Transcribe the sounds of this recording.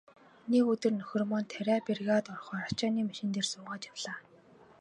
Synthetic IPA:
nekɵt̪ɵ̆rnɵxʲɵ̆rmɔnt̪ʰæɾʲæːperɣat̪ɔrχɔːɾat͡ɕaːniːmaʃɪ̆nt̪eːrsʊːʁaːt͡ɕjawɮ̥aː

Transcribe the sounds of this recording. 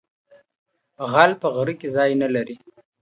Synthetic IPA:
ɣalpəɣɾikezɑjnalaɾi

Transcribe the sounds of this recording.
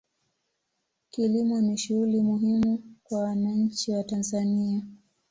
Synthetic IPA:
kilimɔniʃuulimuɦimukwawanaɲ̩t͡ʃiwatanzania

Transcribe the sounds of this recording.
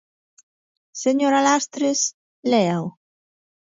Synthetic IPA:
seɲoɾalast̪ɾes | leaw

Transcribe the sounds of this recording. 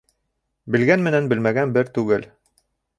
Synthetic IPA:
bɘ̆lɡænmɘ̆nænbɘ̆lmæɡænbɘɾt̪ʉɡɘl

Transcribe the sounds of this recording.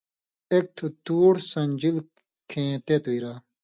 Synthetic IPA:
ek̚t̪ʰut̪uːɽsɐnʲd͡ʑil | kʰẽːt̪et̪uiɾaː

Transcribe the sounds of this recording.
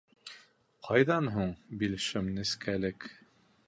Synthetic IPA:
qʰɑjðɑnɦuɴbilʃɘmnɘ̆skælɘk

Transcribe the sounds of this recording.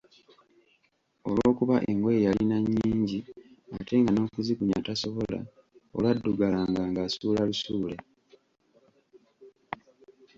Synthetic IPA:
olwoːkuβaʔe̞ŋɡo̞jejalinaɲːiːɲɟiatʰe̞ŋɡano̞ːkuzikuɲataso̞βo̞la̰ | o̰lwadːuɡalaŋɡaːŋɡaːsuːlalusuːle̞

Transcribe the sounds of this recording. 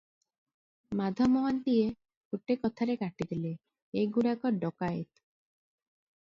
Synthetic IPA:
mad̪ʱɔmɔwant̪ije | kuʈːekɔt̪ʰaɾekaʈid̪ile | eɡuɽakɔɾɖɔkaet̪

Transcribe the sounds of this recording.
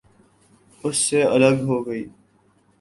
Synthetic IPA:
ʊsːeɐləɡɦoːɡəiː

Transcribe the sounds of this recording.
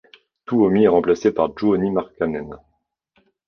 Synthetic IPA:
t̪uomiɛʁɑ̃plasepaʁd͡ʒoːnimaʁkanɛn

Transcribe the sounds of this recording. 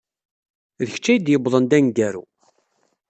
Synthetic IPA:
ðəç̥t͡ʃːæjəd̪jəbðˤənd̪æŋɡæɾṵ

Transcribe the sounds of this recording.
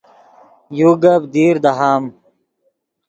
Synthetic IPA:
juːɡɐbd̪iːɾd̪ɐɦaːm

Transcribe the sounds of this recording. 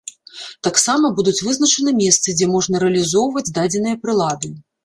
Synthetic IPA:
t̪aksamɐbud̪ut͡sʲvɨznɐt͡ʂɨnɨmʲɛst̪sɨd͡zʲɛmɔʐnɐɾɛɐlʲizɔwvɐd͡zʲd̪ad͡zʲɛn̪ɨjɐpɾɨlˠad̪ɨ

